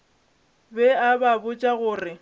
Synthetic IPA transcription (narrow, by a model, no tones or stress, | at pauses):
bɛababʊt͡ʃʼaɣʊːrɪ